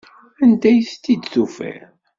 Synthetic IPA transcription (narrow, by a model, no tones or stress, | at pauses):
ænd̪æjəst̪ːid̪θufæ̰ɾ